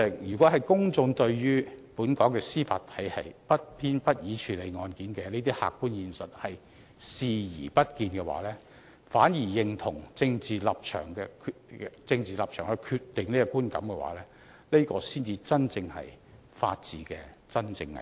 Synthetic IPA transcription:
ɛ˧˨jyː˨˩kwɔ˨˥ɦɐ˨jkʊ˥ŋt͡sʊ˧ŋt̪ɵ˧ɥjyː˥puː˨˥nkɔː˨˥ŋkɛː˧siː˥fa̰ː˧t̪ʰɐ˨˥jhɐ˨jpɐ˥t̚pʰiː˥npɐ˥t̚jiː˨˥t͡ʃʰyː˨˧le˨˧jŋɔː˧nkiː˨˥nkɛː˧ne˥t̪̬iː˥ha̰ː˨kːuː˥njiː˨˧nsɐ˨t̚hɐ˨j | siː˧jiː˨˩pɐ˥t̚kiː˧nkɛː˧wa̰ː˨˥lɛː˥ | faː˨˥njiː˨˩jɪ˨˧ŋt̪ʰʊ˨˩ŋt͡sɪ˧ŋt͡siː˨lɐ˨p̚t͡ʃʰœ̰ː˨˩ŋkɛː˧kʰt͡sɪ˧ŋt͡siː˨lɐ˨p̚t͡ʃʰœː˨˩ŋhɵ˧jkʰyː˧tt̪ɪ˨ŋne˥kɔ˧kuː˥nkɐ̰˨˥mkɛ˧wa̰ː˨˥lɛː˥ | le˥jkɔː˧siː˥nt͡siː˧t͡sɐ˥nt͡sɪ˧ŋhɐ̰˨j | fa̰ː˧t̚t͡siː˨kɛː˧t͡sɐ˥nt͡sɪ˧ŋɐ̰˨

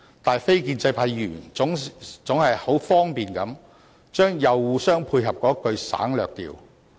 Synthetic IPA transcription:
t̪aː˨jfe˥jkiː˧nt͡sɐ˧jpʰaː˧˥jjyː˨˩nʊ˨˥ŋt͡sʊ˨˥ŋhɐ˨jho˨˥wfɔː˥ŋpiː˨˩nkɐ˨˥m | t͡ʃœː˥ŋjɐ˨wwuː˨˧sœː˥ŋpʰuː˧jɦɐ˨p̚kɔː˨˥kːɵ˧ɥsa̰ː˨˥ŋlœː˨k̚t̪ḭː˨˩w

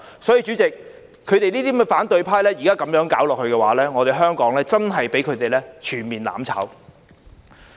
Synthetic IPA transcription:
sɔː˨˥jiː˧t͡ʃyː˨˥t͡sɪ˨k̚ | kʰːɵ˨˧ɥt̪e˨jniː˥iː˥mɛː˥faː˨˥nt̪ɵ˨˧ɥpʰaː˥jlɛː˥ji˨˩kaː˥kɐ˨˥mjœː˨˥ŋkaː˨˥wlɔː˨k̚hɵ˧ɥkɛː˧waː˨˥lɛː˥ŋɔː˨˧t̪e˨jɦœː˥ŋkɔː˨˥ŋlɛː˥t͡sɐ˥nɦɐ˨jpe˨˥jkʰɵ˨˧t̪e˨jlɛː˥t͡ʃʰyː˨˩nmiː˨nla̰ː˨˥mt͡sʰa̰ː˨˥w

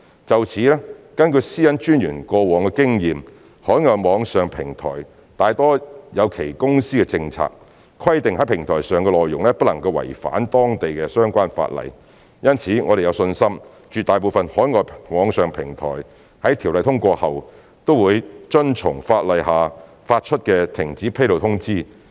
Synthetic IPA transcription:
t͡sɐ˨wt͡sʰiː˨˥lɛ˥kɐ˥nkɵ˧jsiː˥jɐ˥nt͡ʃyː˥njyː˨˩nkɔː˧wɔː˨˩ŋkɛː˧kɪ˥ŋjiː˨m | hɔː˨˥jŋɔː˨jmɔː˨˧ŋsœː˨ŋpʰɪ˨˩ŋt̪ʰɔ̰ː˨˩j | t̪aː˨jt̪ɔː˥jɐ˨˧wkʰe˨˩jkʊ˥ŋsiː˥kɛ˧t͡sɪ˧ŋt͡sʰa̰ː˧k̚ | kʰwɐ˥jt̪ɪ˨ŋhɐ˨˥jpʰɪ˨˩ŋt̪ʰɔː˨˩jsœː˨ŋkɛ˧lɔː˨jːʊ̰˨˩ŋlɛː˥pɐ˥lɐ˨˩ŋkɐ˧wɐ̰˨˩jfa̰ː˨˥nt̪ɔː˥ŋt̪e˨jkɛː˧sœː˥ŋkʷaː˥nfa̰ː˧t̚lɐ̰˨j | jɐ˥nt͡sʰiː˨˥ŋɔː˨˧ɾe˨jɐ˧wsɵ˧nsɐ˥m | t͡ʃyː˨t̪aː˨jp̬o˨˧wfɐ˨nhɔː˨˥jŋɔː˨jmɔː˨˧ŋsœː˨ŋpʰɪ˨˩ŋt̪ʰɔ̰ː˨˩j | hɐ˨˥jt̪ʰiː˨˩wlɐ˨jt̪ʰʊ˥ŋkʷɔː˧hɐ˨w | t̪o˥wuː˨˧jt͡ʃɵ˥nt͡ʃʰʊ˨˩ŋfaː˧t̚lɐ˨jhaː˨ | faː˧t̚t͡ʃʰɵ˥t̚kɛː˧t̪ʰɪ˨˩ŋt͡siː˨˥pʰe˥lo˨wt̪ʰʊ˥ŋt͡siː˥

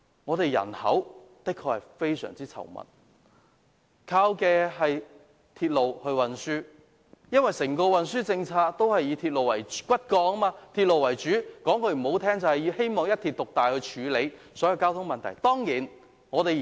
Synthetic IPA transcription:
ŋɔː˨˧t̪e˨jjɐ̰˨˩nhɐ̰˨˥w | t̪ɪ˥kʰːɔː˧hɐ˨˩jfe˥jsœ̰ː˨˩ŋt͡siː˥t͡sʰɐ̰˨˩wmɐ̰˨˩n | kʰaː˧wkɛː˧ɦɐ˨j | t̪ʰiː˧t̚lo˨whɵ˧wɐ˨nsyː˥ | jɐ˥nwɐ˨jsɪ˨˩ŋkɔː˧wɐ˨nsyː˥t͡sɪ˧ŋt͡sʰaː˧k̚t̪o˥whɐ˨jiː˨˧t̪ʰiː˧t̚lo˨wɐ̰˨˩jkʷɐ˥t̚kɔː˧ɐ˥maː˧t̪ʰiː˧t̚lo˨wɐ˨˩jt͡ʃyː˨˥kɔː˨˥ŋkʰɵ˧ɥm̩˨˩ho˨˥wt̪ʰɛː˥ŋt͡sɐ˨whɐ˨jiː˧he˥jmɔː˨ŋjɐ˥t̪ʰiː˨˧t̪̚ʊ˨k̚t̪aː˨jhɵ˧ɥt͡ʃʰyː˨˧le˨˧jsɔː˨˥jɐ˨˧wkaː˥wt̪ʰʊ˥ŋmɐ˨nt̪ʰɐ̰˨˩jt̪ɔː˥ŋjiː˨˩n | ŋɔː˨˧t̪e˨j

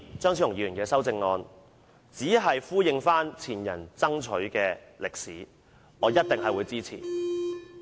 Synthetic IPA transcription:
t͡sœː˥ŋsʰi˨˥jʊ˨ŋjiː˨˧ɥyː˨˩nkɛː˧sɐ˥wt͡sɪ˧ŋːɔː˧n | t͡siː˨˥ɦɐ˨jfuː˥jɪ˧ŋfaː˥nt͡sʰiː˨˩njɐ̰˨˩nt͡sɐ˥ŋt͡ʃʰɵ˨˥ɥkɛː˧ | lɪ˨˩k̚sḭː˨˥ | ŋɔː˨˧jɐ˥t̚t̪ɪ˨ŋɦɐ˨jwuː˨˧jt͡siː˥t͡sʰḭː˨˩

